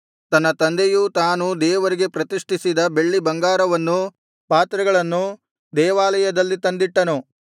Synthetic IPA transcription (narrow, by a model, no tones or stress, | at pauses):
t̪ɐnːɐt̪ɐnd̪ejut̪aːnud̪ɛːʋɐɾiɡe̞pɾɐt̪iʂʈʰisid̪ɐbe̞ɭːibɐŋɡaːɾɐʋɐnːu | paːt̪ɾɐɡɐɭɐnːu | d̪ɛːʋaːlɐjɐd̪ɐlːit̪ɐnd̪iʈːɐnu